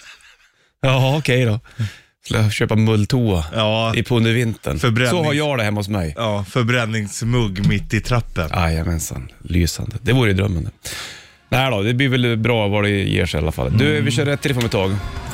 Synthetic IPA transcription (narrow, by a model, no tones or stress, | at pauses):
ɑːɔkʰɛjd̪ɔ | skljaɕøːpamɵlːt̪ʰuːaɑːʔɪpʰɔɵnd̪əɾvɪnt̪ʰə̰nfœɾbɾɛsɔhaɾjɑːɖɛhɛmːaʊsmɛjɑːfœɾbɾɛnːɪŋsmɵɡːmɪt̪ːɪt̪ʰɾapːənʔa̰jamɛnsa̰nlyːsa̰nd̪əd̪ɛvuːɾəjʉd̪ɾœmːand̪ə | næɪd̪ɔd̪ɛbliːvɛlbɾɑːvaɖɛjḛːʂɛa̰lːa̰fa̰lːd̪ɵvɪɕœːɾɾɛt̪ʰːɾɛfɔmɛt̪ʰːɑːɡ